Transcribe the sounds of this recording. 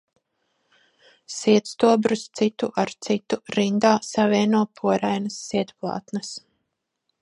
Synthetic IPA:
siɛt̪st̪uɔbɾust̪sit̪uʔaɾt̪sit̪uɾind̪aːsavʲiɛnuɔpʰuɔɾajnɐsːiɛt̪plˠɑ̰ːt̪nɐs

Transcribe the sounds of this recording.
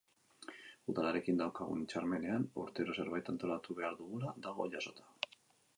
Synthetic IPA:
uðalaɾe̞kind̪awkaɣṵnit͡ʃaɾme̞ne̞anṵɾt̪eɾo̞se̞ɾβajt̪ant̪o̞lat̪uβe̞aɾðuɣulad̪aɣ̞o̞̰ʎaso̞t̪ḁ

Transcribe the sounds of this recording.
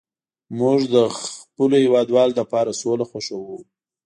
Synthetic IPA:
muʐd̪əxpəlohɪwɑd̪wɑld̪əpɑɾasolaxaʂawu

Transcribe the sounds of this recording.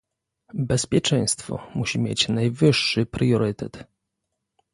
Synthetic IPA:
bɛspʲjɛt͡ʂɛ̃j̃st̪fɔ̰muɕimʲjḛt͡ɕnajvɘʂːɘpɾjɔɾɘt̪ɛt̪

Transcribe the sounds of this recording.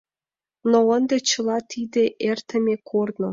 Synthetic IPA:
noənd̪ĕt͡ɕɤ̆lˠɑt̪ʰid̪ʲeʔert̪ə̆mʲekʰornŏ

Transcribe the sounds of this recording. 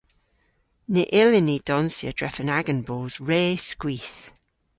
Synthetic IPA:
neʔɪlɪnid̥ɔnsjə̰d̥ɹɛ̰fənaɡənboːzɹeːskwiːθ

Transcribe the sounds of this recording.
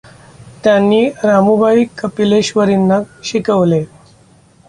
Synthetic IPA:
t̪janːiːɾamubʱaikəpileɕʋəɾinːaɕikəʋle

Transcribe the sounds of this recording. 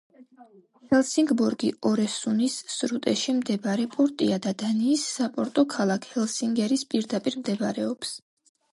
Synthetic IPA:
hɛlˠsiŋɡbɔɾɡiɔɾɛsunisːɾut̪ʼɛʃimd̪ɛbaɾɛpʼɔɾt̪ʼiad̪ad̪aniːsːapʼɔɾt̪ʼɔkʰalˠakʰhɛlˠsiŋɡɛɾispʼiɾd̪apʼiɾmd̪ɛbɾɛɔps

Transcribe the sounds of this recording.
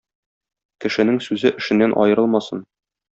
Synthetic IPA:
kɘ̆ʃɘ̆nɘŋsʉzɘʔɘ̆ʃɘ̆nːænʔɒ̰jɤ̆ɾɤlˠmɑsɤ̰n

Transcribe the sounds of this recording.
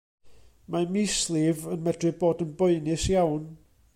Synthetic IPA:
mamislˠɪvənmɛdrɨboːdənbɔɨnɨsjawn

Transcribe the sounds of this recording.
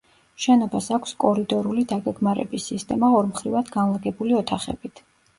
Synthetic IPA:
ʃɛnɔbasakʷʰskʼɔɾid̪ɔɾulid̪aɡɛɡmaɾɛ̰bisːist̪ʼɛmaɔɾmχɾivad̪ɡanlˠaɡɛbuliɔt̪ʰaχɛ̰b̥it̪ʰ

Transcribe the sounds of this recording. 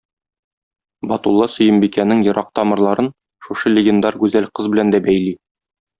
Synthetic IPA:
bɒt̪ulˠːɑsɵ̆jɘmbikænɘŋjɤ̆ɾɑq̚t̪ɒmɤ̆ɾlˠɑɾɤn | ʃuʃɤlʲɪ̆ɡʲend̪ɑɾɡʉzælqɤzbɘ̆lænd̪æbæjli

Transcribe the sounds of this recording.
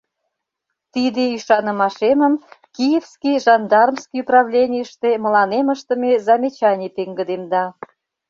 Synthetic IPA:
t̪id̪eyʃɑnə̆mɑʃeməmkijefskijʒɑnd̪ɑrmskijuprɑβlʲenʲijəʃt̪emə̆lɑneməʃt̪əmezɑmʲet͡ɕɑnʲet̪eŋɡəd̪emd̪ɑ

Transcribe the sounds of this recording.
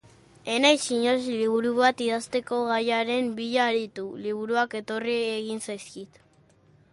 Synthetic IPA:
e̞najsiɲo̞zliβuɾuβat̪iðast̪e̞ko̞ɣajaɾe̞mbiʎaːɾit̪uliβ̞uɾuake̞t̪o̞rieɣ̞insajskit̪

